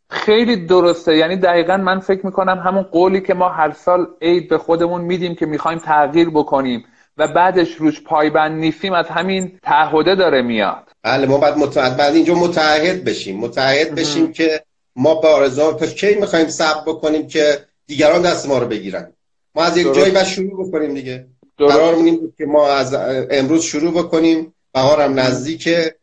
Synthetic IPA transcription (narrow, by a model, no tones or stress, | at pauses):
xe̞jliːd̪oɾo̞st̪e̞jæːniːd̪æɣiːɣænmænfe̞cʰmiːkʰo̞næmɦæmunɢoːliːcʰe̞mɒːɦæɾsɒːle̞jd̪̚be̞xo̞d̪e̞munmiːd̪iːmcʰe̞miːxɒːimt̪ʰæɣiːɾbo̞kʰo̞niːm | væbæːd̪e̞ʃɾuːʃpʰɒːjbænd̪niːst̪iːmæzɦæmint̪ʰæːɦːo̞d̪e̞d̪ɒːɾe̞mijɒ̰ːd̪̥b̥æːlemɒːbɒjæd̪mot̪æd̪̚bæd̪iːnd͡ʒɒːmot̪ʰæːhːe̞d̪̚beʃiːmːot̪ʰææhːed̪be̞ʃiːmcʰe̞ | mɒːbeɒːɾe̞zuɑnt̪ʰæcʰejmixɒːhiːmsæb̚ɾbo̞kʰo̞niːmcʰe̞ | d̪̥iːɟæɾɒːnd̪æst̪emɒːɾobe̞ɟiːɾæ̰nd̪ | mɒːæzjed͡ʒːjibæd̪ʃoɾuːbe̞koniːmd̪iɟe̥ | æɾɒːɾmiːnimbud̪̚cʰʲemɒːæzemɾuːzʃuɾuːbo̞kʰo̞niːm | b̥æɦɒːɾæmnæzd̪iːcʰe̞